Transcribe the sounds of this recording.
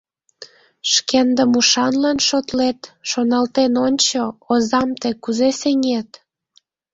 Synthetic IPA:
ʃkend̪əmuʃɑnlɑnʃot̪let̪ʃonɑlt̪enonʲt͡ɕoozɑmt̪ekuzeseŋet̪

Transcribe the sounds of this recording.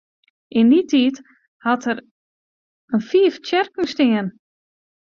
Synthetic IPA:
ʔɪnditʰiːt | hatər | ənfiəft͡ɕɛrkn̩stɪən

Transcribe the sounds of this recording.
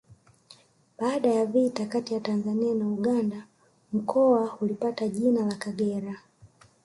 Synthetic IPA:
ɓaːɗajavitakatijatanzanianauɡanda | m̩kʰɔahulipataʄinalakaɡɛɾa

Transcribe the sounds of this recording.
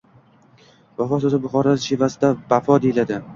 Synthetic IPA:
vafɒsozɪbʊχɒɾaɪʃivasɪd̪avafɒd̪ejlad̪ɪ

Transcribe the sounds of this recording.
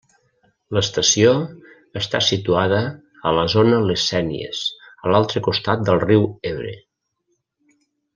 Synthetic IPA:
ləst̪əsio | əst̪a̰sit̪uað̞əː | ləzonəlesɛnḭḛzəlalˠt̪ɾəkust̪at̪̚d̪əlˠriweβɾḛ

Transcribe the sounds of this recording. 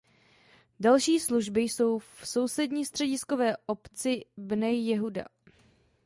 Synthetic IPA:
dalʃiːsluʒbɪjso̞wfso̞wsɛdɲiːst̪r̥ɛɟɪsko̞vɛːʔo̞pt͡sɪbnɛjjɛɦuda̰

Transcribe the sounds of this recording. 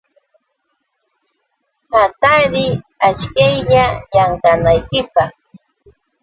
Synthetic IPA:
hat̪aɾɪat͡ʃkajʎajaɴkanajkɪpɑχ

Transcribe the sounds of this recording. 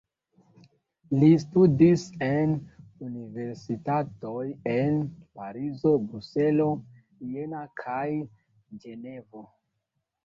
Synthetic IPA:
listudise̞nunive̞ɾsitato̞je̞npaɾizo̞bɾuse̞lo̞ | jenakʰaj | d͡ʒe̞ne̞vo

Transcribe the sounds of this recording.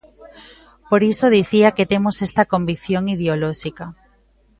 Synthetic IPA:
poɾisoðiθiaket̪emosest̪ɐkombik̚θjoŋið̞eolɔʃika

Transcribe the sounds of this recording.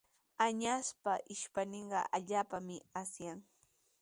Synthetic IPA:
aɲaspaʔɪʃpaneɴɢɑ̰ʔaʎaːpamɪasjaŋ

